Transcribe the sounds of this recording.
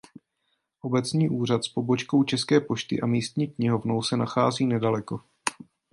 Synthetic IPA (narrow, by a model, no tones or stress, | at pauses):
ʔo̞bɛt͡sɲiːʔuːr̝at̪spo̞bo̞t͡ʃko̞wt͡ʃɛskɛːpo̞ʃt̪ɪ̰ʔamiːst̪ɲiːkɲɪɦo̞vno̞wsɛnaxaːziːnɛdalɛko̞